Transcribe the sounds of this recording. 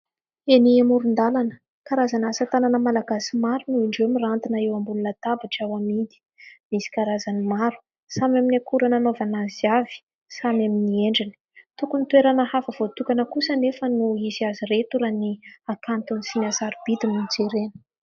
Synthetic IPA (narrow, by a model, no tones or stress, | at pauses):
eniamuɾund̪alanə̥ | kaɾazanasət̪ananəmalaɡasimaɾunuiɳɖ͡ʐemirant̪inəewambulunət̪abaʈ͡ʂawamid̪i̥ | misi̥kaɾazanimaɾu̥ | samaminakuɾananovanaziavi̥ | samaminieɳɖ͡ʐini̥ | t̪ukunit̪weɾanəhafəv̥ot̪ukanəkusənefənuiziaziret̪uɾaniakant̪unisinazaɾib̥id̪inund͡zeɾenə̥